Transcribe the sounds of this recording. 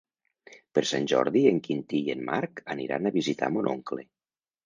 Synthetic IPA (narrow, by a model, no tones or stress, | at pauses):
pəɾsanʲʒɔ̰ɾðieŋkint̪ienmaɾkaniɾa̰naβizit̪a̰monʔoŋkle